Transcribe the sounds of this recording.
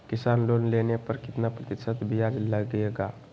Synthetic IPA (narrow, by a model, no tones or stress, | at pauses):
kɪsanlonlenepəɾkɪt̪napɾət̪ɪsət̪bʱijad͡ʒləɡeɡa